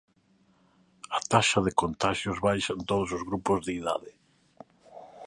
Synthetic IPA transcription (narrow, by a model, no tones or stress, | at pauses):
at̪aʃɐðɪkont̪aʃjʊzβajʃant̪oð̞osozɣɾupʊzðeiða̰ðɪ